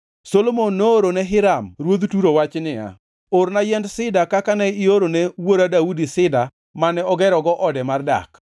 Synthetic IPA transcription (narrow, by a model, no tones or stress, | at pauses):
solomonːoːɾonɛɦɪɾamɾwod̪tuɾowat͡ʃnɪa̰ | oɾnajɛndsɪdakakanɛɪoɾonewoɾadaudisɪda | manɛɔɡɛɾɔɡɔʔɔdɛmarda̰k